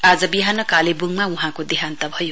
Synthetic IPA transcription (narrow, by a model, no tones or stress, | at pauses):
ad͡zʌbiɦanʌkalebuŋmauɦãkod̪iɦant̪ʌbʱʌju